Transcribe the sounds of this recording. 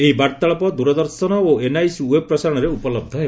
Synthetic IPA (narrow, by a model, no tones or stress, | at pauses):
eɦibaɾt̪aɭɔpɔd̪uɾɔd̪ɔɾsɔnɔoenajsweb̚pːɾɔsaɾɔɽ̃ɔɾeupɔlɔb̚d̪ʱɔɦe